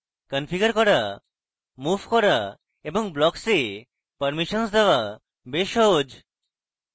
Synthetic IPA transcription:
kənfʰiɡəɾkɔɾa | mubʱkɔɾa | eboŋblɔkse | pəɾmiʃənsd̪eoa | beʃɔɦod͡ʑ

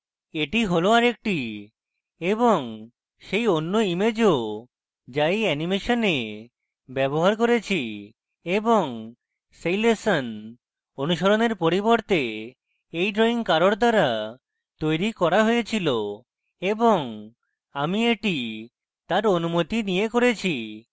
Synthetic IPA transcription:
eʈiɦoloaɾek̚ʈi | eboŋ | ʃejonːoimed͡ʑo | d͡ʑajɛnimeʃone | bɛboɦaɾkoɾet͡ɕʰi | eboŋ | sejlesan | onuʃɔɾoneɾpoɾiboɾt̪e | ejɖɾɔiŋkaɾoɾd̪aɾa | t̪ojɾikɔɾaɦojet͡ɕʰilo | eboŋ | amieʈi | t̪aɾonumot̪inijekoɾet͡ɕʰi

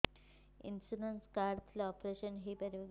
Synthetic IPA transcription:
ḭnsunənskaɾt̪ʰlɔpɾeʃənɦipɐɾjoɡ

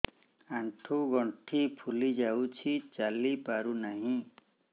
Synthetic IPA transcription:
aɳʈʰuɡɔɳʈʰipʰulid͡ʒawt͡ʃʰit͡ʃalipaɾunaɦĩ

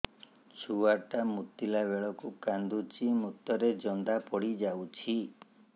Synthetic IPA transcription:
t͡ʃʰuwaʈamut̪ːilabeɭɔkukand̪ut͡ʃimut̪ːɔɾed͡ʒɔnd̪apɔɽid͡ʒawt͡ʃʰi

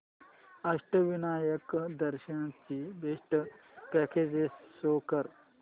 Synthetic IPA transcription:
ɐʂʈəʋinaːjɐkd̪ɐɾʃɐɳt͡ɕibeːʂʈə | pɛkʰeːd͡ʑessoːkɐɾ

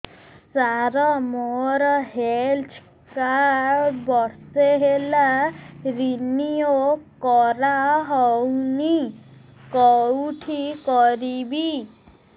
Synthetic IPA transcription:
saɾɔmoɾɔɦelt͡ʃʰ | kaɾbɔɾseɦelaɾiniokɔɾaɦɔwni | kɔwʈʰikɔɾibi

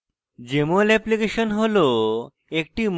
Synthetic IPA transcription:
d͡ʑemolɛplikeɕənɦolo | ek̚ʈim

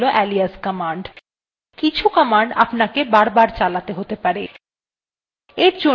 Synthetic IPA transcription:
loʔɛliaskɔmaɳɖ | kit͡ɕʰukɔmaɳɖa̰pnakebaɾbaɾt͡ɕalat̪eɦot̪epaɾe | eɾd͡ʑo

